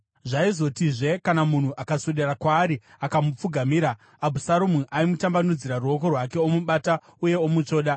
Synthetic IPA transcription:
ʐaizo̞tiʐe̞kanamun̤uʔakasuɗerakwaːɾi | akamup͡fuɡʱamiːɾaː | bʱusaɾomuʔaimutambanud͡ziɾaruo̞ko̞rwake̞omuɓaːta | uje̞omut͡ʂo̞ːɗa

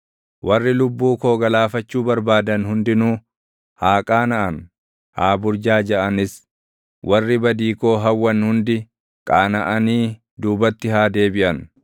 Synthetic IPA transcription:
wʔɐrːɪlʊbːuːkoːɡɐlaːfɐt͡ʃːuːbɐɾbaːd̪ɐnhʊnd̪ɪnuː | haːkʼaːnɐʔɐn | haːbʊɾd͡ʒaːd͡ʒɛʔɐnɪs | wʔɐrːɪbɐd̪iːkoːɦɐwːɐnhʊnd̪ɪ | kʼaːnɐʔɐniː | d̪uːbɐt̪ːɪhaːd̪e̞ːbɪʔɐn

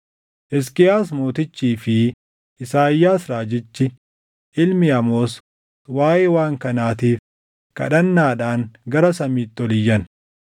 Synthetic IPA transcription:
ʔɛs̬kʼɪjaːsmo̞ːt̪ɪt͡ʃːiːfɪ | ʔɪsaːjːaːsɾaːd͡ʒɪt͡ʃːɪ | ʔɪlmɪɐmoːs | waːʔewaːŋkɐnaːt̪iːf | kɐ̰ᶑɐnːaːᶑaːŋɡɐɾɐsɐmiːt̪ːɪɔlɪjːɐn

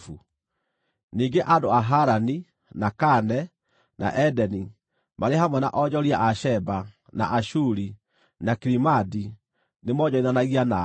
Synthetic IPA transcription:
fu | niːŋɡeʔadoaɦaɾani | nakanɛ | na̰ʔɛdɛni | maɾehamwɛna̰ʔɔɟɔɾiaʔaʃɛba | na̰ʔaʃuɾi | nakiɾimadi | nemɔd͡ʒɔiðanaɣiana

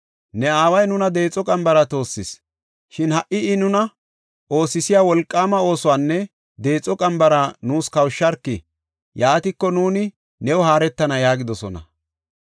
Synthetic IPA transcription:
nɛaːwɐjnʊnɐd̪e̞ːt͡sʼːɔkʼɐmbɐɾɐt̪o̞ːsːɪs | ʃɪnhɐʔɪɪnʊnɐ | ʔo̞ːsɪsɪjaːwɔlkʼːaːmɐo̞ːsʊwaːnːɛ | d̪e̞ːt͡sʼɔkʼɐmbɐɾɐnuːskɐwʃːɐɾkːɪ | jaːt̪ɪkːɔnuːnɪ | nɛwʊhaːɾɛt̪ːɐnɐjaːɡɪd̪ɔsɔnɐ̰

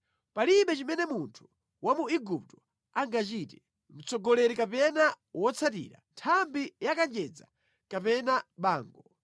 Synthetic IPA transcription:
paliɓɛt͡ʃimɛnɛmuntʰu̥ | wamuiɡup̚tɔ̥ | aŋɡat͡ʃitɛ | m̩t͡sɔɡɔlɛɾikapɛna | wɔt͡sʰatḭɾa̰ntʰambijakand͡ʒɛd͡za̰ | kapɛnaɓaːŋɡɔ

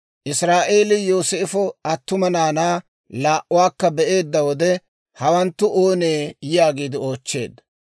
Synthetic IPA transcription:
ʔɪsɾaːʔe̞ːlɪjoːseːfɔɐt̪ːʊmɐnaːnaː | laːʔʊwaːkːɐbɛʔe̞ːd̪ːɐwɔd̪ɛ | hɐwɐnt̪ːʊʔoːneːjɪjaːɡiːd̪ɪo̞ːt͡ʃːe̞̰ːd̪ːɐ

